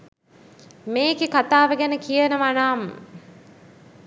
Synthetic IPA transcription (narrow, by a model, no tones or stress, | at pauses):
meːkekat̪aːʋəɡænəkijənəʋanaːmə̰